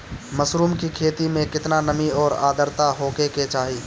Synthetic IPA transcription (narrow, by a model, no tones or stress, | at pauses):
mɐsɾuːmkikʰeːt̪imẽkɪt̪nanɐmiɔːɾa̰ːd̪əɾt̪aɦoːkeket͡ʃaːɦiː